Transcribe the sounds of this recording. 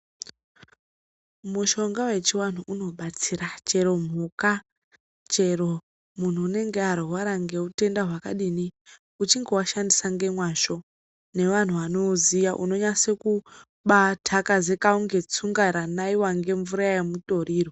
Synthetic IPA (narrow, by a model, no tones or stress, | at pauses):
muʃo̞ŋɡawe̞t͡ʃiwan̤uʔuno̞ɓat͡siɾat͡ʃe̞ɾo̞m̤uka | t͡ʃe̞ɾo̞ | mun̤uːne̞ŋɡeaɾoɦwaɾaŋɡe̞ute̞ndaɦwakaɗini | ut͡ʃiŋɡe̞waʃandisaŋɡe̞mwaʃo̞ | ne̞ʋan̤uʋano̞zijaʔuno̞ɲaseku | ɓatʰakaze̞kauŋɡe̞t͡suŋɡaɾanaiwaŋɡe̞ɱvuɾaaemuto̞riːro